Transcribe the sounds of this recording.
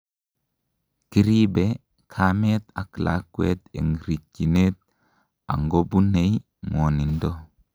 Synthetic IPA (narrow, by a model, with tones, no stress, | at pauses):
ki˦ɾi˦be | kʰa˦me˦t̪a˨klʔa̰˦kwḛ˦t̪ḛ˨ŋɾi˨kːi˨ne˦t̪̚ | a̰˨ŋɡo˦bu˦ne˨j | mo˨ni˨ndo˦